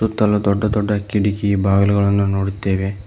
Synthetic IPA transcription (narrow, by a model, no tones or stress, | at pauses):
ut̪ːɐlɐd̪ɔɖːɐd̪ɔɖːɐkiɽikijibaːɡɐluɡɐɭɐnːunoːɽut̪ːeːʋe